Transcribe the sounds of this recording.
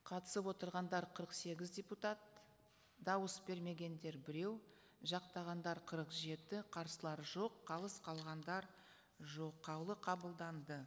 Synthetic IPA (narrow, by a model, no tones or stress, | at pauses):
qʰɑt̪ə̥səpwo̞t̪əɾʁɑnd̪ɑɾqʰəɾəqse̞ɡʲɪzdʲe̞put̪at̪ | d̪ɑwəsbe̞ɾme̞ɡʲe̞nd̪e̞ɾbɪɾe̞w | ʒɑqt̪ɑʁɑnd̪ɑɾqʰəɾəqʒe̞t̪ɪqʰɑɾsəlˠɑɾʒo̞qʰːɑlˠəsqʰɑlˠʁɑnd̪ɑɾ | ʒo̞qʰːɑwlˠəqʰɑbəlˠd̪ɑnd̪ə